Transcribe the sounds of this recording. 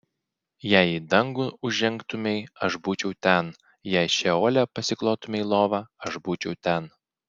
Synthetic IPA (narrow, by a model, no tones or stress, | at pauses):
jæˑɪid̪ɐŋɡʊʊʒʲɛŋkt̪ʊmʲɛɪɐʃbuːt͡ʃʲɛʊt̪ʲɛn | jæˑɪʃʲɛoːlʲɛpɐsʲɪklˠoːt̪ʊmʲɛɪlˠoːʋɑɐʒbuːt͡ʃʲɛʊt̪ʲɛn